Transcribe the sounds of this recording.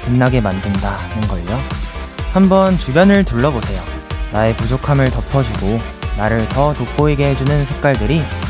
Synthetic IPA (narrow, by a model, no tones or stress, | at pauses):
pɯnːaɡe̞mandɯndanɯnɡʌid͡ʑo | hambʌnt͡ɕubjʌnɯɭtuɭːʌbosʰe̞jo | nae̞pud͡ʑokʰamɯɭtʌpʰʌd͡ʑiɡo | naɾɯɭtʌtok͈oeɡe̞ɦed͡ʑunɯnsʰe̞k̚k͈waɭdɯɾi